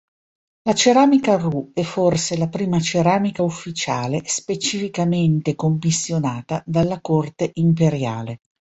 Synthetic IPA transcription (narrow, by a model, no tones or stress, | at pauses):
lat͡ʃeɾaːmikaruɛfːorselapɾiːmat͡ʃeɾaːmikaufːit͡ʃaːlespet͡ʃifikament̪ekomːisːjonaːt̪ad̪alːakort̪eʔimpeɾjaːle